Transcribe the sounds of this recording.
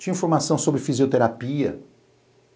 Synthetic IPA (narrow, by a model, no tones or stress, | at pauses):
d͡ʒiĩfoɾmasɐ̃w̃sobɾɪfiziot̪eɾapiɐ̰